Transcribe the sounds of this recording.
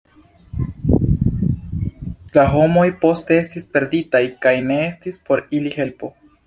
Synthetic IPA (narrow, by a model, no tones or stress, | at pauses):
laɦo̞mo̞jpo̞ste̞e̞stispe̞ɾditajkajne̞e̞stispo̞ɾilihe̞lpo̞